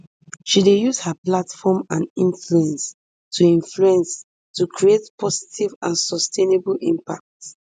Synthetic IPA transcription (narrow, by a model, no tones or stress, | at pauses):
ʃidejuzhaplatfɔmãnĩnfluɛ̃ns | tʰuĩnfluɛ̃ns | tukʰɹietpʰɔzi̥tʰivãnsɔstʰenebəlʔĩmpa̰k̚t